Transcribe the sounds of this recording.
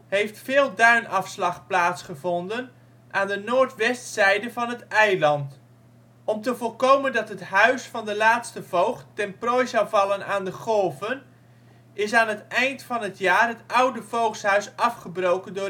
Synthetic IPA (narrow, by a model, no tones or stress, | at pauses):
hejftfɪːlˠdœɥnʔɑfslɑχplaːtsχəvɔndən | ʔaːndənoːɹtʋɛstsɛjdəvɑnɦətɛjlɑnt | ɔmtəvolˠkowməndɑtɦətɦœɥsfɑndəlaːtstəvowχɛnprɔjzɑwvɑlˠənaːndəχɔlˠvən | ʔɪsaːnətɛjntfɑnətjaːrɦətʔʌwdəv̥owχsɦœɥsɑfχəbrowkəndʊː